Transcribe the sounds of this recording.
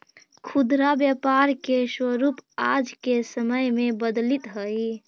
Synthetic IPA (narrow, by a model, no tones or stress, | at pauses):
kʰud̪ɾabjəpaɾkeswəɾupad͡ʒkesəməjmebəd̪lit̪ɦəi